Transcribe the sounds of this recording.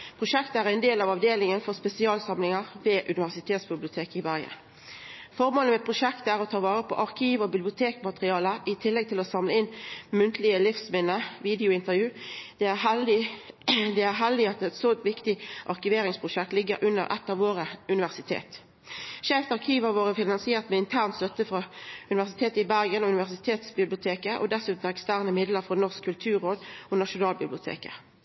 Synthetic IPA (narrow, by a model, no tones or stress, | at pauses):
pʰʁʊʃɛkt̪əæːʁɛɪnd̪eːlɑʋɑʋd̪eːlɪŋənfɔʁspɛsɪɑːlsɑmlɪŋəʁʋeːʔʉnɪʋæʁsɪt̪ʰeːt̪sbɪblɪʊt̪ʰeːkɪʋæʁɡə̰n | fɔʁmoːləmɛpʰʁʊʃɛkt̪əæːʁɔt̪ʰɑːʋɑːɾəpʰɔ̰ʔɑʁkʰiːʋɔbɪblɪʊt̪ʰeːkmɑt̪ʁɪɑːləʔɪt̪ʰɪlːɛɡ̚t̪ʰɪlɔsɑmləɪnːmʉnt̪lɪəlɪfsmɪnːəʋiːd̪ɛʊɪnt̪əʁjʉːd̪̥ɛæɦɪ | d̪ɛæʁɦɛld̪ɪɑt̪ɛt̪soʋɪkt̪ɪʔɑʁkɪʋeːɾɪŋspʰʁʊʃɛkt̪lɪɡːə̰ɾʔʉnːə̰ɾʔɛ̰t̪ːɑʋoːʁəʉnɪʋæʁsɪt̪ʰḛːt̪ | ʃɛːft̪ɑʁkʰiːʋəɾʋoːʁəfɪnɑnsɪeːʁt̪mɛɪnt̪ʰæːʁnt̪st̪œt̪ːəfʁɑʉnɪʋæʁsɪt̪ʰeːt̪əɪbæʁɡənɔʉnɪʋæʁsɪt̪ʰeːt̪sbɪblɪʊt̪ʰeːkəʔɔ̰d̪ɛsʉːt̪n̩ɛkst̪æːʁnəmɪd̪ləʁfɔnɔʁskʰːʉlt̪ʰʉːɾoːd̪ɔnɑʃʊnɑːlbɪblɪʊt̪ʰḛːkə̰